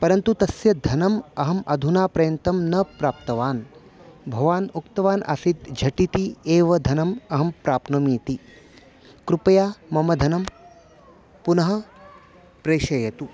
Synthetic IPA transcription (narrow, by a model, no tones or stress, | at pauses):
pɐɾɐnt̪ut̪ɐsjɐd̪ʱɐnɐmɐɦɐmɐd̪ʱunaːpɾɐjɐnt̪ɐmnɐpɾaːp̚t̪ɐʋaːn | bʱɐʋaːnukt̪ɐʋaːnʔa̰sit̪d͡ʒʱɐʈit̪ieːʋɐd̪ʱɐnɐmɐɦɐmpɾaːpnɐmiːt̪i | kɾupɐjaːmɐmɐd̪ʱɐnɐm | punɐɦɐ̆ | pɾeːʃɐjɐt̪u